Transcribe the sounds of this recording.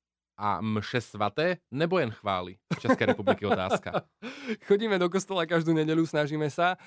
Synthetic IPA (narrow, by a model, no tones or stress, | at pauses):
ʔa̰mʃɛsʋat̪ɛːnɛbɔjɛnxʋa̰ːlḭft͡ʃɛskɛjɾɛpublikiɔt̪a̰ːska̰ | xɔɟiːmɛd̪ɔk̬ɔst̪ɔlˠakaʒd̪uːɲɛɟɛʎusnaʒiːmɛsa